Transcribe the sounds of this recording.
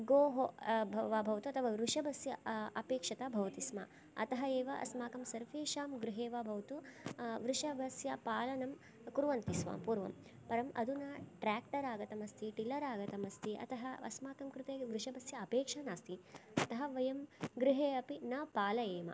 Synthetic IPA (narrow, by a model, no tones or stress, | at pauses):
ɡoːɦobɐʋaːbʱɐʋɐt̪uɐt̪ʰɐʋaːɾuʂɐbʱɐsjɐɐpeːkʂɐt̪ɐbʱɐʋɐt̪ismɐ̰ | ɐ̰t̪ɐɦɐeːʋɐʔɐ̰smaːkɐmsɐɾʋeːʃaːmɡɾɪɦeːʋaːbʱɐʋt̪uʋɾuʂɐbʱɐsjɐpaːlɐnɐm | kuɾʋɐnt̪isʋa̰ːmpuːɾʋɐ̰m | pɐɾɐmɐ̰d̪unɐʈɾaːkʈɐɾaːɡɐt̪ɐmɐst̪ʰiʈilɐɾaːɡɐt̪ɐmɐst̪ʰiʔɐ̰t̪ɐɦɐɐ̰smaːkɐmkɾɪt̪eːʋɾuʂɐbɐsjɐɐpeːkʂɐnaːst̪iɐt̪ɐɦɐʋɐjɐmɡɾɪɦeːɐpinɐpaːlɐeːmɐ̰